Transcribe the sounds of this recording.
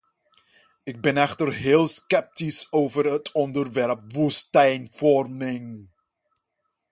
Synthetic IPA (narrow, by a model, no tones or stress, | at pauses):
ɪɡ̚bɛnɛχtərɦeːlˠskɛp̚tisowvərɦətɔndərʋɛɹp̚ʋustɛjnfɔrmɪŋ